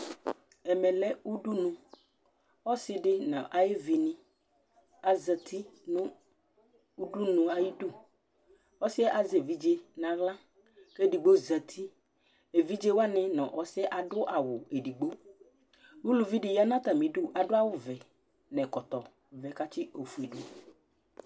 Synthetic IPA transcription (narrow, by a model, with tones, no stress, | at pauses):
ɛ˨mɛ̃˨lɛ˦u˦ɖu˦nũ˨ | ɔ˦sɪ˨˦ɖɪ˦nã˨ʔa˨je˦vi˨nĩ˦ | a˨zə˨t̪ʰi˦nʊ̃˦ | u˦ɖu˦nũ˨a˨ji˦du˦˨ | ɔ˦sɪ˦ɛ˦ʔa˨ze˨vi˦d͡ʒe˦nã˨ɣlã˦ | ke˦˨di˨ɡ͡bo˦zə˨t̪ʰi˦ | e˨vi˦d͡ʒe˦wa˦nɛ̃˨nɔ̰̃˨ʔɔ˨sɛ˦ʔa˨dʊ˦ʔa˨wʊ˨e˨ɖi˨ɡ͡bo˦ | wu˦lu˨vi˦ɖɪ˨ja˦nã˦t̪a˨mĩ˨ɖʊ˦ʔa˨ɖʊ˦a˦wʊ˦vɛ˨ | nɛ̃˨kɔ˨t̪ɔ˨ | vɛ˨ka˦t͡ʃɪ˦ʔo˨fu˨e˨ɖu˦